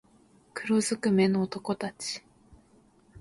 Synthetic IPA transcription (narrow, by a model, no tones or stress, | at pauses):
kɯ̟ɾozɨkɯ̟me̞noːt̪o̞ko̞t̪at͡ɕi̥